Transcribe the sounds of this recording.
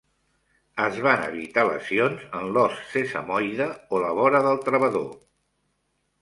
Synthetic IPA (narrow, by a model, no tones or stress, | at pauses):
əzβanə̰β̞it̪alə̰sionzənlɔsːesə̰mɔjðəoləβɔɾəðəlˠt̪ɾəβəðo